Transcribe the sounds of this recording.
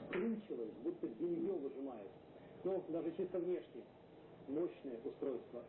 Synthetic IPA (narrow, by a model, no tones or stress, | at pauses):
skɾunʲt͡ɕɪlˠəsʲbut̪ːədʲɪlʲɪvʲjovɨʐɨmajʊt̪ʲ | nod̪aʐɨt͡ɕist̪əvnʲeʂnʲɪjə | moɕnɨjəʔʊst̪ɾo̞jst̪və